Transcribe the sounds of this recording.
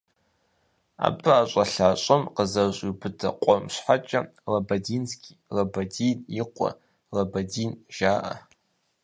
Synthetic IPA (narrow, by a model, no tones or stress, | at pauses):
a̰bɨat͡ʃʷʼaɬaːt͡ʃʷʼɨmqəzaɕʷʼibɨdʰaqʷʼɔmʃʷħat͡ʃʼalabadinsɡʲirabadiniqʷʼa̰ | rabadinʒaːʔa̰